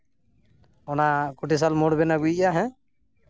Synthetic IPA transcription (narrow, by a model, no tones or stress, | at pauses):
ɔnakuʈis̬almɔɽbɛnaɡujjaɦɛ̃